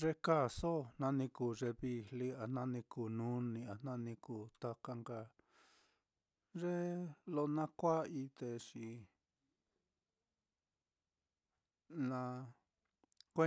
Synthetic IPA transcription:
ʐe˧ka˦˨so˦nã˧nĩ˧ku˨ʐe˧βi˧li˦a˧nã˦nĩ˧kuː˨nũ˦nĩ˧a˧nã˦nĩ˧ku˧˨t̪a˧ka˧ŋɡa˧˨ | ʐe˦lo˧nã˦kʷa˦i˧t̪e˧ʂi˧ | nã˧ | kʷe˦

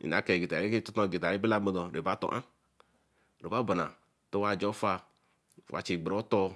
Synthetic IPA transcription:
ḭ˨a˨˦kɛ˨ɡi˨ta˨ɾi˦ke˦tɔ˦to˦˨ɡi˨ta˨ɾi˦bi˦la˦mo˦dɔ˨ɾe˨ba˦to̰˨ʔã˦ | ɾe˨ba˦ba˨na̰˨ | to˦wa˦˨d͡ʒo˦fa˦˨ | wʔa̰˨t͡ʃi˨ɡ͡bɾo˦tɔ˦

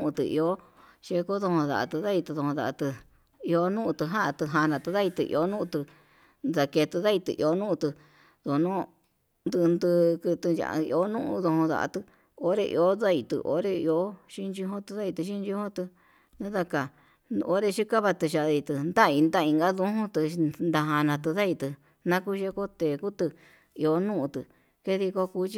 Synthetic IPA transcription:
ũ˧t̪ɨ̰˧ḭ˧o˦ʃe˧ko˦ðo˧hõ˧ða̰˨ʔa̰˧t̪ɨ˧ða˦i˧t̪ɨ˧ðo˧õ˧ða̰˧ʔa˧t̪ɨ˧ | i˧o˧nũ˦ʔũ˧t̪ɨ˧ɦã˦a˧t̪ɨ˧ɦa˧nã˨˧t̪ɨ˧ða˦i˧t̪ɨ̰˧ʔḭ˧o˧˦nũ˦ʔũ˧t̪ɨ˧ | nða˧ke˧t̪ɨ˧ða˦i˧t̪ɨ̰˧˨ʔi˧o˧˦nũ˦ũ˧t̪ɨ˧ | ðo˨˧nũ˦ | nd̪ɨ˧nd̪ɨ˧kɨ˧t̪ɨ˧na̰˨˧ḭ˧o˧˦nũ˦ʔðo˧hõ˧ða̰˧ʔa̰˧t̪ɨ˧ | o˦ɾe˧ʔḭ˧o˦ða˦i˧˨t̪ɨ̰˧ʔo̰˦ɾe˧i˧o˧˦ʃi˦nd͡ʒu˧ɦõ˦t̪ɨ˧ða˦i˧t̪ɨ˧ʃ̬i˦nd͡ʒu˧hõ˦t̪ɨ˧ | nã˦ða˧ka˨˧ | o˧˦ɾe˧ʃi˦ka˦βa˧t̪ɨ˧ʃa˧˨ða˧i˧t̪ɨ˧nd̪a˦˧i˧nd̪a˦˧ĩ˧ŋɡa˦ðũ˧˦ɦũ˦t̪ɨ˧nd̪a˧ɦã˧nã˨˧t̪ɨ˧ða˦i˧t̪ɨ˧ | nã˦ku˦ʃe˧˦ko˦t̪e˨ku˦t̪ɨ˧ | i˧o˧nũ˦ʔũ˧t̪ɨ˧ | ke˦ði˧ko˧kuː˧˦t͡ʃi˧

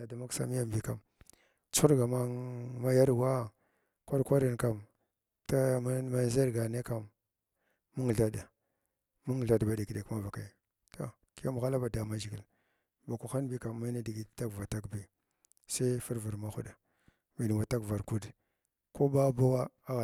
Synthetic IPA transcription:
a˨da˨ma˦ksa̰˦mi˦ja˦mbi˨˦ka˨m | t͡su̥˦u˦ɾɡa˨ma˦ma˦ja˦ɾwa˦ | ka˦dkʷa˦ɾa˨nka˨m | ta˦ma˦n˦za˦ɾɡa˨ne˦ka˨mː | u˦ŋ˨ɮa˦da˨ | mu˦ŋ˨ɮa˦dba˨˦di˨ki˨de˨kma˦va˨ka˨ | to̰˨ | ki˦ja˦mu˨ɣa˦la˦ba˨da˨ma˦d͡ʒi˨ɡi˨l | ba˨ku˨xa˦nbi˦ka˨mːa˦na˦di˨ɡi˨ta˦kva˨ta˦kbi˨ | sa˦fu˦ɾvu˨ɾma˦xu˦da˨ | mi˨ni˨wa˨ta˦kva˨ɾku˦d | ko˦ba˦ba˦wa˦a˦ɣ

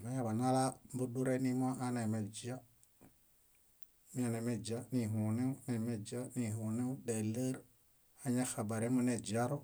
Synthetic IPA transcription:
ma˦ja˦˨ba˨na˦la˦mbu˦du˦ɾe˦ni˦m˦a˦ʔa˦na˨me˨d͡ʒa˦ | mi˦a˨ne˨me˦d͡ʒa˦ni˨ɦu˨ne˦u˦ne˨me˦d͡ʒa˦ni˨ɦu˨ne˦u˦ɗe˨lə˦ɾ | a˦ɲa˦xa˨ba˨ɾe˦mu˦ne˨d͡ʒa˦ɾo˦

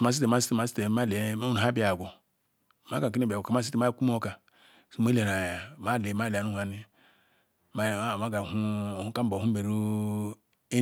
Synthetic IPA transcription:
ma˦s̬i˦te˨ma˦si˦te˨ma˨˦si̥˦te˨ma˦le˨˦u˦n˨a˦bi˦a˨ɡo˨ | ma˦ɡa˨k̬i˦ne˦˨bi˨o˨ka˨ma˦si˦te˨ma˦ku˦m˦o˦ka˨ | so˨˦me˦le˨na˨ja˨ma˦le˨ma˦lnu˦ha˨˦ni˦ | ma˦˨ma˦ɡa˨hu˦˨u˦ka˦m˦bo˨u˦be˨ɾu˦ | e˦

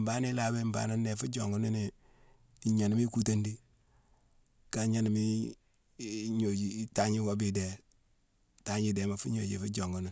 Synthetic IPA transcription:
mba˦ni˦la˨˦be˦˨mba̰˨˦na˦nːe˨fu˦d͡ʒo̰˨ŋɡu˦ni˦ni˨ | ɲo˨n˨˦mi˦ku˦ta˦ndi˦ | ka˨˦ɲa˦ni˨mi˦ | ɲo˨d͡ʒi˦ta˦ɲi˦ko˦bi˨de˨˦ | ta˦ɲi˦de˨ma˨fu˦ɲo˨d͡ʒi˨fu˦d͡ʒo˨ŋɡu˨˦ni˨n

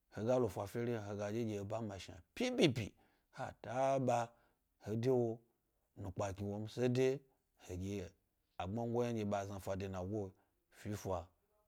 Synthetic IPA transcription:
ho˨ɡa˦lo˨fʷa˨fʲe˦ɾi˦˨ɦo˧ɡa˨d͡ʒe˦ɡʲe˧˨ba˦ma˨ʃi˨a̰˨pʲi˦bi˦pḭ˨ | ha̰˨ta˨˦ɓa˧ | he˨de˦wo˧ | nu˨k͡pa˨ki˨wo˧m̩˦se˦de˦ | he˨ɡʲe˨ | a˨ɡ͡ba˦ŋ˦ɡʷo˦ja˦ɡʲe˧ɓa˨za˧fʷa˨de˧na˨wʷo˦ | fi˦fʷa˨

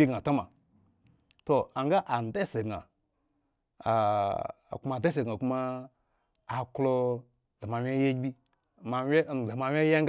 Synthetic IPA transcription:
i˦ɡa˨to˦ma˨ | to˨a˨ŋɡa˦ʔa˨n˨de˦˨se˨ɡa̰˨ | ku˦ma˧˨de˦s̬e˨ɡŋa˨ku˦maː˦˨ | klo˧ | le˨ma˨wʲe˦je˦bi˦˨ | ma˧˦e˦n˨le˨ma˨wʲe˦je˦ŋ˦ɡ

